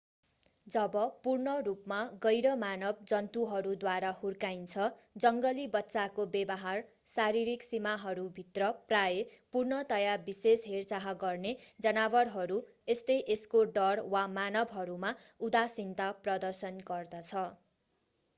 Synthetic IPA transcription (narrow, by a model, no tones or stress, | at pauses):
d͡zʌbʌpurɳʌrupmaɡʌjɾʌmanʌb̚d͡zʌnt̪uɦʌɾud̪waɾahurkajnt͡sʰʌd͡zʌŋɡʌlibʌtːsakobebʌɦar | saɾiɾiksimaɦʌɾubʱit̪rʌprajepurnʌt̪ʌjabisesɦert͡saɦʌɡʌrned͡zʌnawʌrɦʌɾu | est̪ʌjʔeskoɖʌrwamanʌbɦʌɾumaud̪asint̪aprʌd̪ʌrsʌnɡʌrd̪ʌt͡sʰʌ